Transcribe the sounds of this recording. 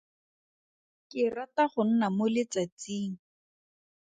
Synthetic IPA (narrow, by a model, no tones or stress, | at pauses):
kɪrataχʊn̩namʊlɪt͡sat͡siːŋ̩